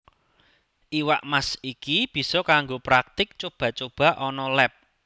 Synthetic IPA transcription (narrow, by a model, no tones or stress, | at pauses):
ʔiwa̰ʔmasikib̥i̤sɔkaŋɡopɾak̚t̪ɪk̚t͡ʃob̥ä̤t͡ʃob̥ä̤ʔɔnɔlɛp̚